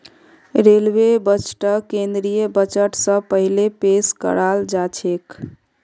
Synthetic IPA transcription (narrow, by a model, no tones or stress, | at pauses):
ɾelwebət͡ʃʈəkẽnd̪ɾijəbət͡ʃəʈsə̃pəɦilepeskə̰ɾald͡ʒat͡ʃʰek